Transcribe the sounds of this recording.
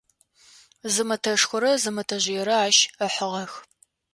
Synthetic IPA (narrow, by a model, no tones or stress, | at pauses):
zɨmɐtʰɐʂxʷʊɾɐzɨmɐtʰɐʑɪjɛɾɐaːʃəħəʁɐx